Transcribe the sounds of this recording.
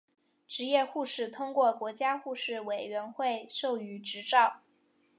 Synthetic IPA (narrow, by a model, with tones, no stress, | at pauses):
ʈ͡ʂɻ̩˧˥jɛ˥˧xu˥˧ʂɻ̩˥˩t̪ʰʊ˥ŋkwɔ˥˩kwɔ˧˥t͡ɕja˥xu˥˧ʂɻ̩˥˩we˨˩ɪɥɛ˧˥nxwe˥˧ɪʂo˥˩ʊy˧˥ʈ͡ʂɻ̩˧˥ʈ͡ʂɑ˥˩ʊ